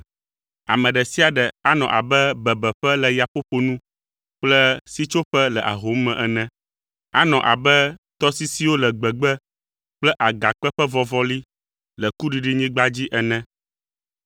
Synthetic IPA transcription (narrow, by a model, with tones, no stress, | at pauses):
a̰˨mɛ̃˨ɖɛ˨si˦a˨ɖɛ˨a˦nɔ̰̃˨ʔa˨bɛ˦bɛ˨bɛ˨ɸɛ˦lɛ˨ja˨ɸo˦ɸo˨nũ˦ | k͡plɛ˦si˦t͡ʃo˦ɸɛ˦lɛ˨ʔa̰˨ɦo˨˦mɛ̃˨ʔɛ˨nɛ̃˦ | a˦nɔ̃˨ʔa̰˨bɛ˦t̪ɔ˦si˦si˦wo˦lɛ˨ɡ͡bɛ˨ɡ͡bɛ˦ | k͡plɛ˦ʔa˨ɡa˨k͡pɛ˦ɸɛ˦vɔ˦vɔ˦li˦ | lɛ˨ku˦ɖi˨ɖi˦ɲĩ˦ɡ͡ba˦d͡ʑi˦ʔɛ˨nɛ̃˦